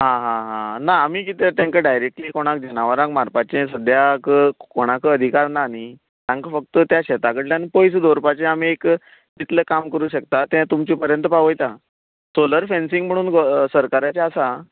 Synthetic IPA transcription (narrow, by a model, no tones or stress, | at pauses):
ɦãɦãɦãnaːm̤iːkit̪ət̪jãŋkəɖajɾek̚ʈliːkoɽ̃ãk̚d͡ʑənaʋəɾãkmaɾpat͡ɕẽsəd̪ʱjakəkoɽ̃akəəd̪ʱikaɾnani | t̪jãŋkəfək̚t̪ət̪jaɕɛt̪akəʈljanpojsəd̪oɾpat͡ɕẽamiek | t̪it̪ləkamkəɾuːɕək̚t̪at̪ɛ̃t̪umt͡ɕĩːpəɾjənt̪əpaʋəjt̪a | soləɾfɛ̃nsĩŋɡm̤əɽ̃uːnɡsəɾkaɾat͡ɕeasa